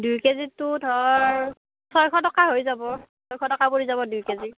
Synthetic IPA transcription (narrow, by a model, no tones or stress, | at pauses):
dujkezitʊtʰɔɹ | sɔjkʰɔtɔkaɦojzabɔsɔjkʰɔtɔkapoɹizaβɔdujkezi